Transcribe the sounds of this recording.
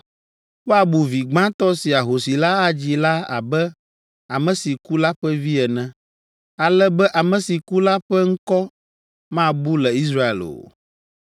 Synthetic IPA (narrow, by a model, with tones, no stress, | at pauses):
ɸa˨bu˨vi˨ɡ͡bã˦t̪ɔ˦si˨a˨ɦo˨si˨la˦a˦d͡ʑi˨la˦a̰˨bɛ˦ | a˨mɛ̃˨si˨ku˦la˦ɸɛ˦vi˦ɛ˨nɛ̃˨ | a˨lɛ˦bɛ˦ʔa˨mɛ̃˨si˨ku˦la˦ɸɛ˦ŋ̩˦kɔ˦ | mã˦bu˦lɛ˨i˦s̬ɾa˦ḛ˨lo̰˨